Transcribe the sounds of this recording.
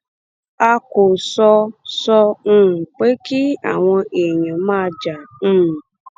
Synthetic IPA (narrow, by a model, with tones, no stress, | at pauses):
a˧ko˨sɔ˧sɔ˧n̩˦˨k͡pe˦ki˦a̰˨w̃ɔ̃˧e˨ɲã˨mãː˦d͡ʒa˨n̩˦˨